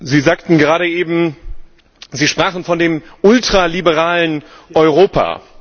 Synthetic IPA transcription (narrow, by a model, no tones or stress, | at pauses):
ziːzaːktn̩ɡəʁaːɾəʔeːbm̩ | ziːʃpʁ̥aːχn̩fɔndeːmʔʊltʁ̥alibəʁaːlən | ʔɔʏʁoːpʰa̰